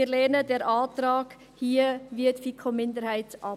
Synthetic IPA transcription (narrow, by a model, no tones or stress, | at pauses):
ɾlɛːnədɛːɾʔɑːtɾɑːɡ̥ | hiːəviətfikʰomɪndəɾhaɪtʔɑ